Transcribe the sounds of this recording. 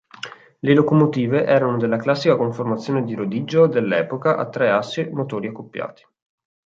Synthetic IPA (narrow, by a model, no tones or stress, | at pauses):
lelokomot̪iːveʔɛːɾanod̪elːaklasːikakoɱformat̪sːjoːned̪iɾod̪iːd͡ʒod̪elːɛːpokaʔa̰t̪ːɾɛasːemot̪oːɾiakːopːja̰ːt̪i̥